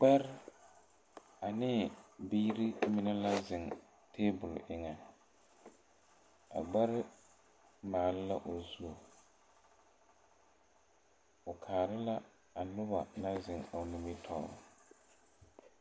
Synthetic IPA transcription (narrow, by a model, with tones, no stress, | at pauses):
k͡pɛ˦ɾ | a˨nɪː˦˨biː˦ɾi˦mɪ˨nɛ˦la˦zɪ˨ŋ | tʰeː˦bʊ˨lʔɪ˨ŋɛ˨ | a̰˨ɡ͡ba˦ɾɪ˦ | maː˨lɪ˦la˦ʔo˨zu˦o˨ | ʊ˨kʰaː˨ɾɪ˦la˦ | a˨lʊ˦ba˨na˦zɪ˨ŋa˨ni˨mi˦tʰɔ̰˦˨